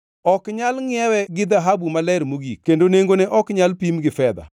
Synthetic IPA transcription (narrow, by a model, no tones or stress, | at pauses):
ɔkɲalŋɪɛwɛɡɪd̪aɦabumalɛɾmoɡikːendoneŋɡonɛʔɔkɲalpimɡɪfɛd̪a̰